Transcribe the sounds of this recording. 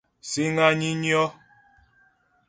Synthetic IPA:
si˦ŋa˦ɲi˦ɲjɔ˦

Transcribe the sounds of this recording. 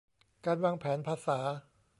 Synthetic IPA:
kaː˧nwaː˧ŋpʰɛː˩˦npʰaː˧saː˩˦

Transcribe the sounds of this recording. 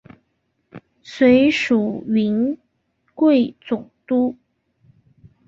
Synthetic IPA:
swe˧˥ɪʂu˨˩ɥi˧˥n | kwe˥˩ɪt͡sʊ˨˩ŋt̪u˥

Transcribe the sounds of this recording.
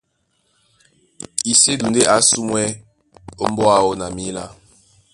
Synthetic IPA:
i˨se˦du˨nde˦ʔa˨˦su˦mwɛ˦ | o˦m˦bɔ˦a˦˨ɔ˦na˨mi˦la˦

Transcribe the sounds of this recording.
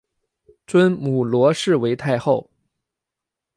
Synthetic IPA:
t͡swə˥nmu˨˩lwɔ˧˥ʂɻ̩˥˩we˧˥ɪt̪ʰa˥˧ɪxo˥˩ʊ

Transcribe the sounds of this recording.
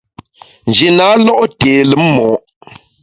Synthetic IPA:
n̩˨d͡ʒe˨na˨˦lɔ˦ʔteː˨lə˨˦m̩˦mɔː˨˦ʔ

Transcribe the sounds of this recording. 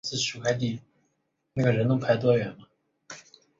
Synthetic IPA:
t͡sɹ̩˥˩ɕu˧˥kʰa˥˧ɪt̪̬i˥˩ | na˥˩ɡə˩ɻə˧˥nʊ˧˥ŋpʰa˧˥ɪt̪̬wɔ˥ɥɛ˧˥nɐ˧

